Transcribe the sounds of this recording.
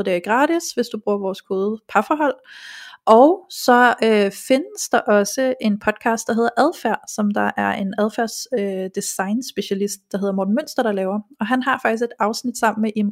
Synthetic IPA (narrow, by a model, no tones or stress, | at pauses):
d̥eiɡ̥ʁɑ̈ːɾ̥isʋe̝sd̥ub̥ʁuːɐʋɒːskʰo̝ːð̞ˠpʰɑ̈fɒɦɒ̽l̰ʔɒʊsɒ̽øfe̝nəsd̥ɑ̈ʔɒ̽səʔe̝npʰɒ̽d̥̚kʰɑ̈ːsd̥ɑ̈ɦe̝ð̰ˠɐʔæðˠfæɐ̰sɒ̽md̥ɑ̈ʔæɐʔe̝næðˠfæɐ̰sød̥isɑ̈ɪnsb̥e̝ɕælisd̥̚d̥ɑ̈ɦe̝ð̰ˠɐmoːd̥n̩møn̰sd̥ɐɾ̥ɑ̈lɛːʊɐɒ̽ɦænɦɑ̈fɑ̈ɡ̥ise̝d̥ɑ̈ʊsnid̥sɑ̈m̰n̩meʔim